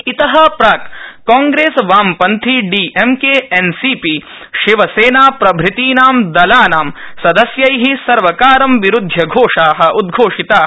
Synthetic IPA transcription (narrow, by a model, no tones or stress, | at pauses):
it̪ɐɦɐ̆pɾaːkkːaːŋɡɾeːsʋaːmpɐnt̪ʰiɖiːʔemkeensiːpi | ʃiʋɐseːnaːpɾɐbʱɾɪt̪iːnaːmd̪ɐlaːnaːmsɐd̪ɐsjɐjɦisɐɾʋɐkaːɾɐmʋiɾud̪ʱjɐɡʱoːʂaːɦɐ̆ʔud̪̚ɡʱoːʂit̪aː